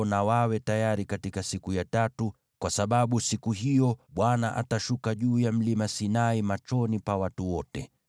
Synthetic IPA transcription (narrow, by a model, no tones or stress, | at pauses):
nawawɛtajaɾikatikasikujatatu | kwasaɓaɓusikuɦijɔɓwanaʔa̰taʃukaʄuːjam̩limasinaimat͡ʃɔnipawatuwɔtɛ